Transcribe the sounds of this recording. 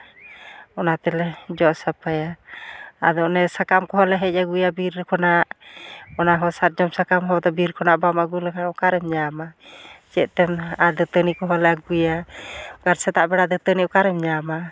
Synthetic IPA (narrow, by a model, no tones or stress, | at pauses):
ɔnat̪ɛlɛd͡ʒɔʔsapaja | a̰d̪ɔnɛsakamkɔɦɔlɛɦɛc̚aɡujabiɾkʰɔnaʔɔnaɦɔsaɾ̚d͡ʒɔmsakamɦɔt̪ɔbiɾkʰɔnaʔbamaɡulɛkaɔkaɾɛmɲamat͡ʃɛʔt̪ɛmad̪ət̪ənikɔɦɔlɛaɡujaɡaɾsɛt̪aʔbɛɽad̪ət̪əniɔkaɾɛmɲama